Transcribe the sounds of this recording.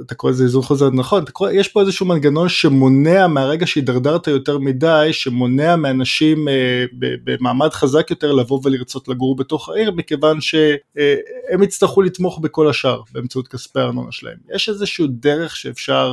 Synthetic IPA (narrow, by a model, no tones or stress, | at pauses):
at̪akoezeizunχozeʁnaχo̞nat̪ako̞ʁejeʃpo̞ezeʃumanɡano̞nʃe̞mo̞ne̞ameaʁe̞ɡaʃeid̪aʁdaʁt̪ajo̞teʁmidajʃe̞mo̞neameanaʃimbḛbemaːmadχazakjo̞t̪e̞ʁlavo̞veliʁt͡so̞tlaɡuʁbe̞to̞χa̰ʔiʁmike̞vanʃe̞ | emit͡st̪aχulit̪mo̞χbeko̞laʃaʁbeːmt͡saut̪̚kaspeaːʁno̞̰na̰ʃela̰ḛmjeʃezeʃuudeʁe̞χʃeːfʃaʁ